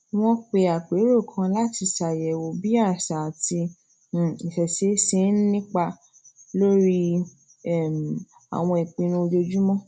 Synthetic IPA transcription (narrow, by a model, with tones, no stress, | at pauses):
w̃ɔ̃˦k͡pe˧a˨k͡pe˨˦ɾo˦˨kʰã˧la˦ti˧sa˨jɛ˨wo˨bi˦a˦˨ʃa˨ti˧˦˨ | i˨sɛ˨se˨˦sĩ˦nĩ˦k͡pa˧ | lo˦ɾi˦˨ | m | a̰˨w̃ɔ̃˧i˨k͡pĩ˧nũ˧o˧d͡ʒo˧d͡ʒu˦mɔ̃˦